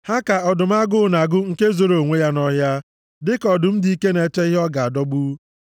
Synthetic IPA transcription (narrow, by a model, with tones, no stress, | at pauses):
ha˦ka˨ɔ˨dʊ˨m̩˦a˦ɡʊ˦˨na˨ɡʊ˦ŋ̩˦ke˦zo˨ɾo˨ŋʷe˦ja˦nɔ˦ɦja˦ | dɪ˦kɔ˨dʊ˨m̩˦di˨˦i˦ke˦ne˨te˦i˦ɦɔ˦ɡa˨a˨dɔ˦ɡ͡bu˦